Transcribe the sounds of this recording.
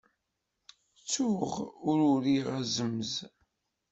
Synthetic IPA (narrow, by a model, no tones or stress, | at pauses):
t͡sːuʁʊɾʊɾiʁæzəməz